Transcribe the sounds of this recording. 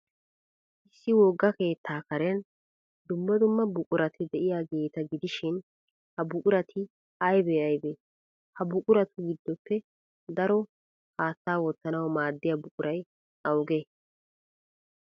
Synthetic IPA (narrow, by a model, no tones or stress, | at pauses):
ʔɪsːɪwɔɡːɐke̞ːt̪ːaːkɐɾɛn | d̪ʊmːɐd̪ʊmːɐbʊkʼʊɾɐt̪ʰɪd̪ɛʔɪjaːɡe̞ːt̪ɐɡɪd̪ɪʃɪn | hɐbʊkʼʊɾɐt̪ʰɪ | ɐjbɛːɐjbeː | hɐbʊkʼʊɾɐt̪ʊɡɪd̪ːɔpːɛ | d̪ɐɾɔ | haːt̪ːaːwɔt̪ːɐnɐwɐmaːd̪ːɪjabʊkʼʊɾɐj | ʔɐwɡeː